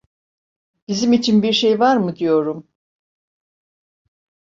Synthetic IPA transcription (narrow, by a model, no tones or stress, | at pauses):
b̥izimit͡ʃʰinbiɾʃe̞jvaɾmɯd̪ijo̞ɾum